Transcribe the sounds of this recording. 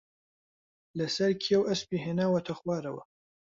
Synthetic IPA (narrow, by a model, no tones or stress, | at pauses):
lɐsɐɾkʰiɛwɐspiːɦeːnaːwɐt̪ʰɐxwaːɾɐwɐ̰